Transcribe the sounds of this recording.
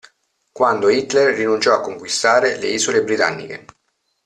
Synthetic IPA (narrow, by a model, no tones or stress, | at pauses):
kwand̪oit̪lerːinunt͡ʃɔakːoŋkwist̪aːɾelḛiːzolebɾit̪a̰nːḭk̟ḛ